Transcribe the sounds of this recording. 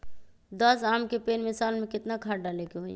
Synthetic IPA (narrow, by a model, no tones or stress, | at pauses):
d̪əsaːmkepeːnmɪsaːlmẽkɪt̪nakʰaːɖalekeɦo